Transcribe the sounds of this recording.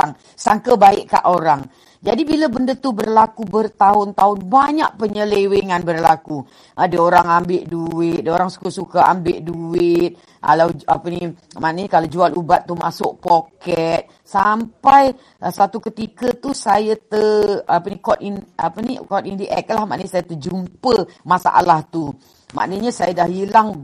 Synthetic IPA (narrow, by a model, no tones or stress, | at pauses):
aŋ | saŋkəbaɪʔka̰ʔoɾaŋ | d͡ʒadibiləbəndət̪ubərlakubərt̪aʊnt̪aʊnbaɲaʔ̚pəɲəleweŋanbərlaku | ʔədəoɾaŋambɪʔduɪt̪̚dəoɾaŋsu̥kusukaa̰mbɪʔduɪt̪̚ | ʔa̰lawa̰pəni | maʔnəɲəkalad͡ʒualubat̪ːumasʊʔ̚pokɛt̪̚ | sampaj | sat̪ukət̪ikət̪usajət̪əapənikɔt̪inapənikɔt̪indiʔɛ̰k̚lahmaʔnəɲəsajət̪əd͡ʒumpəmasa̰ʔa̰laht̪u | ma̰ʔnəɲəsajadahilaŋ